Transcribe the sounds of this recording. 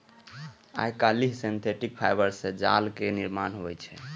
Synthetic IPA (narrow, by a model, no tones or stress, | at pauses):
a̰jkaliɦsint̪ʰeʈik̚pʰajbəɾsẽd͡ʒalkeniɾmanɦojt͡ʃʰɛ